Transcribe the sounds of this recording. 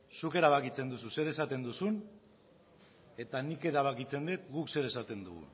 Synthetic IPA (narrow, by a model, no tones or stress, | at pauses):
suke̞ɾaβ̞akit͡se̞nd̪us̬use̞ɾe̞sat̪e̞nd̪usun | e̞t̪anike̞ɾaβ̞akit͡se̞nd̪et̪̚ɡukse̞ɾe̞sat̪e̞nd̪ṵɣṵ